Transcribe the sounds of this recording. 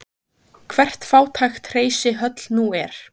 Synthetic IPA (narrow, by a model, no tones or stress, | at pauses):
kʰvɛr̥t̪faːwt̪ʰajxt̪r̥eːjsɪɦœt̪lnuɛɾ̥